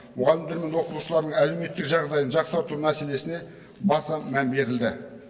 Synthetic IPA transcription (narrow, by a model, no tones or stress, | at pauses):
mʊʁɑlˠɪmd̪eɾme̞nwo̞qət̪uʃəlˠɑɾd̪əɴæle̞me̞t̪ːɪkʒɑʁd̪ɑjənʒɑqsəɾt̪əɾunæsele̞sɪne̞ | bɑsɑmæmbe̞ɾɪld̪ɪ